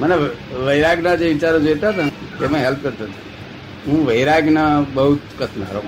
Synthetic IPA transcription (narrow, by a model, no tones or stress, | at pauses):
məneʋəiɾaɡnad͡ʒeʋit͡ʃaɾõd͡ʒot̪at̪at̪emãɦelp̚kəɾt̪ət̪u̥ | ɦũʋəjɾaɡnabəɦut̪kət̪na̰ɾo